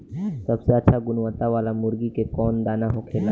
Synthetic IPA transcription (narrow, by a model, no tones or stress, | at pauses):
sɐbseətːʃʰaɡʊnʋət̪aʋaːlamʊɾɡikekɔːnd̪aːnaɦokʰeːla